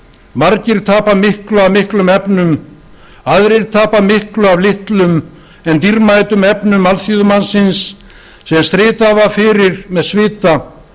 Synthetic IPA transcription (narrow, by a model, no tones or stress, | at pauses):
maɾcɪɾ̥t̪ʰaːpamɪhklʏavmɪhklʏmɛpnʏm | aðɾɪɾ̥t̪ʰaːpamɪhklʏavlɪht̪lʏm | ɛnt̪iɾmaːjt̪ʏmɛpnʏmalθjuðʏmansɪnsː | ɛmst̪ɾɪːt̪avafɪɾɪɾmɛðsvɪːt̪a